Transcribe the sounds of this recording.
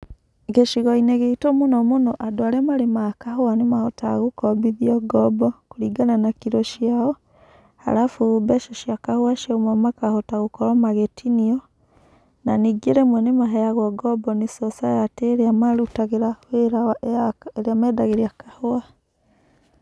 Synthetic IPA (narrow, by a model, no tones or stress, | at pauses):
ɣeʃiɣɔineɣeitomonɔmonɔʔadoaɾemaɾemakahoanemahɔtaɣokɔbiðiɔɡɔbɔkoɾiɡananakiɾɔʃiaɔ | a̰ɾafubɛʃɔʃiakahoaʃaomɔmakahɔtaɣokɔɾɔmaɣetʰiniɔ | naniɡeɾemwɛnemaɦɛjaɣwɔɡɔbɔnesɔsajateɾeamaɾutaɣeɾahweɾaaeɾeamɛːdaɣeɾeakahoa